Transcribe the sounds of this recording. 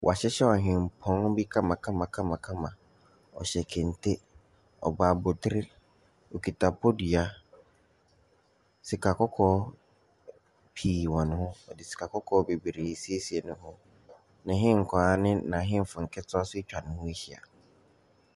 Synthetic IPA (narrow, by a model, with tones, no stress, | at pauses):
wʔa˨ɕɛ˦ɕɛ˦ɔ˨ɦɪ̃˨m̩˨pʰɔ̃˦n˦bi˦kʰã˦mã˨kʰã˦mã˨kʰã˦mã˨kʰã˦mã˨ | ɔ̰˨ɕɛ˨kʰɪ̃˨n˨tʰe˦ | ɔ̰˨baː˨bʊ˨tʰɪ˦ɾɪ˦ | o˨kʰi˨tʰa˨pʰɔ˦di˨a˦ | si˨kʰa˨kʰɔ˦kʰɔː˦ | pʰiː˨wɔ̃˨nʊ̃˦hʊ̃˦ɔ˨dɪ˨si̥˨kʰa˨kʰɔ˦kʰɔː˦be˨bi˨ɾe˨˦si˦e˦si˨ɛ˨nʊ̃˦hʊ̃˦ | nã˨ɦɪ̃˦ŋ̩˨kʰɔ˨a˦nɪ̃˦nã˨ɦɪ̃˦m˨fʊ˨ŋ̩˨kʰɛ˦tʰʊ˦a˦sʊ˦t͡ɕᶣa˨nʊ̃˦hʊ̃˦e˦hi˨a̰˨